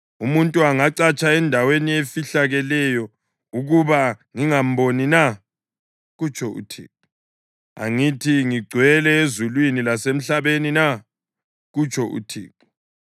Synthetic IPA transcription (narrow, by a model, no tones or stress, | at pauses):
umuntʼuaŋaǀat͡ʃʼaɛndʱaweniefiɬaɣɛlɛjɔ | uɣuβaŋiŋam̩bonina | ɣut͡ʃʰʼɔṵtʰḭːǃu | a̰ŋitʰiŋiɡ͡ǀʱwɛlɛezulwinilasem̩ɬaβenina | ɣut͡ʃʰʼɔʔṵtʰḭːǃu̥